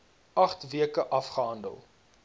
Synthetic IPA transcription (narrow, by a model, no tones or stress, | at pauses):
ʔɐχtviəkəʔɐfχəɦɐndə̰lˠ